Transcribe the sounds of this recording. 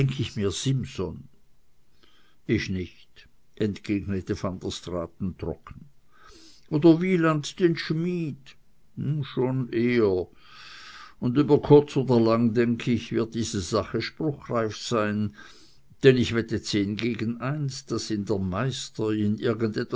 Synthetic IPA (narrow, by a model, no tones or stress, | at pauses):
ɛŋkʰəɪçmiːɐz̥ɪmzɔ̰n | ɪçnɪçt | ʔɛntɡ̥eːɡnətəfantɐstʁaːtn̩tʁ̥ɔ̰kn̩ | ʔoːdɐviːlantd̥eːnʃmiːd̩ | ʃoːnʔeːə | ʊndyːbɐkʰʊɐt͡soːdɐlaŋdɛŋkʰəɪçvɪɐt̚d̥iːzəzaχəʃpʁʊxraɪfsaɪn | d̥ɛnɪçv̥ɛtət͡seːnɡeːɡən̩aɪnsd̥asɪndeːɐmaɪstəɪnʔɪɐɡəndɛt